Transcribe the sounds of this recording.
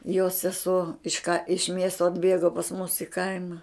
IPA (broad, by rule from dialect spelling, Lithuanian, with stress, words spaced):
joːs sʲɛˈsuɔ ɪʃ kɐ ɪʃ ˈmʲiɛstoː ɐdʲˈbʲeːɡoː pɐs mʊs ɪ ˈkɐɪmɐ